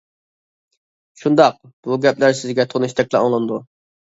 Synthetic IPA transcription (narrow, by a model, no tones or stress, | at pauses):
ʃund̪ɑq̚ | b̥uɡʲɛplæɾsɪzɡʲɛt̪ʰoniʃt̪ʰɛk̚ʲlɛoŋlˠɨnd̪u